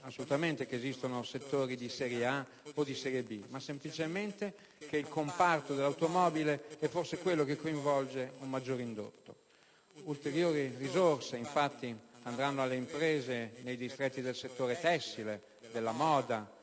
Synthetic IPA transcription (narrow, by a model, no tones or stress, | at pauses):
asːolut̪ament̪ekeːzist̪onoset̪ːoːɾid̪isɛɾjea | od̪isɛɾjebimasːemplit͡ʃemɛnt̪e | keilkompart̪od̪elawt̪omɔːbileɛfːorsekwelːokekːoĩɱvɔld͡ʒeumːad͡ʒːoːɾind̪o̰t̪ːo̰ | ult̪eɾjoːɾirizorseiɱfat̪ːiand̪ɾanːoalːeimpɾeːzenejd̪ist̪ɾet̪ːid̪elset̪ːoːɾet̪ɛsːile | d̪elːamɔːd̪a